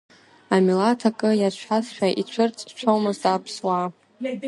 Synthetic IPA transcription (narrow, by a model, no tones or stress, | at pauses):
amilatʰakʼɨjat͡ɕʷʰasʃʷᶣaʔit͡ɕʷʰɨrt͡sʼt͡ʃʷʰowmɨzdʼapʰswa